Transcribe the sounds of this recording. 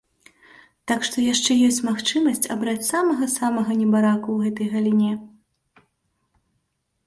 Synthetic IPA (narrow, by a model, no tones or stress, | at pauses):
t̪akʂt̪ɔjaʂt͡ʂɛjɔsʲt͡sʲmaxt͡ʂɨmɐsʲt͡sʲabɾat͡sʲsamɐɣɐsamɐɣɐnʲɛbaɾakuwɣɛt̪ɐjɣɐlʲinʲɛ